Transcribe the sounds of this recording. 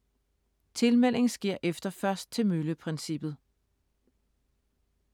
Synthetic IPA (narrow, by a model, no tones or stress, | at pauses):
t͡sʰe̝lmel̰e̝ŋ̩sɡ̥eɐ̰ʔefd̥ɐfɶɐsd̥̚t͡sʰe̝møləpʰʁɛnsib̥ð̩ˠ